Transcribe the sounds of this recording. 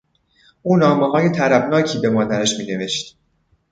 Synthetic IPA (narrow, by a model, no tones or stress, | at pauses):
ʔuːnɒːmeɦɒːje̞t̪ʰæɾæbnɒːcʰiːbe̞mɒːd̪æɾæʃmiːne̞ve̞ʃt̪